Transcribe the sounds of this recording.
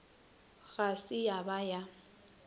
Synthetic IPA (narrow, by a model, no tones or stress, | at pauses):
ɣasɪjabaja